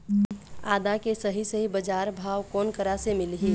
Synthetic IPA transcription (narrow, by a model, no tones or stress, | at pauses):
aːd̪akesəɦisəɦibəd͡ʒaːɾbʱaːwkɔːnkəɾasemɪlɦi